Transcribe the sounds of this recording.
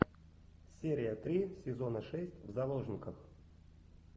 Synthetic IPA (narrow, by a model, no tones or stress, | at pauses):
sʲeɾʲɪjət̪ɾʲisʲɪzo̞nəʂɛsʲtʲvzɐlˠo̞ʐnʲɪkəx